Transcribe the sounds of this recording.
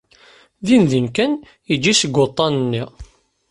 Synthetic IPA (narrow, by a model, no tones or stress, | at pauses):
ðinðinkæn | id͡ʒːisəɡʷːot̪ˤːɑnənːi